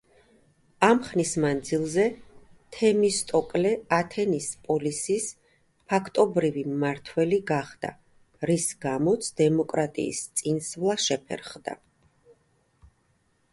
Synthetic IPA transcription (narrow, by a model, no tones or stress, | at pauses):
amχnismand̪zilˠzɛ | t̪ʰɛmist̪ʼɔkʼlɛat̪ʰɛnispʼɔlisis | pʰakʰt̪ʼɔbɾivimaɾt̪ʰwɛliɡaχd̪a̰ | ɾisɡamɔt̪sʰd̪̥ɛmɔkʼɾat̪ʼḭːst̪sʼinsvlˠaʃɛpʰɛ̰ɾχd̪a̰